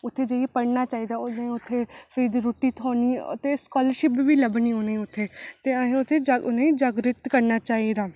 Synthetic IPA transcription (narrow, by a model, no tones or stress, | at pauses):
ʊt̪ʰːeːd͡ʒeiepəɽnaːt͡ʃaːiːd̪aːonẽːʊt̪ʰːeːfɾiːd̪ɾoːʈːiːt̪ʰoːnḭːt̪eskɔːləɾʃɪpʋiːləbniːɦoːneːʊt̪ʰːeːt̪eːəẽːʊt̪ʰːeːd͡ʒaʊnẽĩːd͡ʒəɡɾɪt̪kəɾnaːt͡ʃaːid̪aː